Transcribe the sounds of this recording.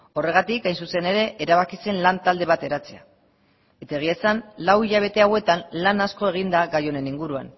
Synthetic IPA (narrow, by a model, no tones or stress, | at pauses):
o̞re̞ɣ̞at̪ikajnsuse̞ne̞ɾe̞ʔeɾaβ̞akise̞nlant̪ald̪e̞βat̪e̞ɾat͡sea̰ | e̞t̪ae̞ɣ̞iesanlawiʎaβ̞e̞t̪e̞awe̞t̪anlanasko̞e̞ɣ̞ind̪aɣajo̞ne̞niŋɡuɾua̰n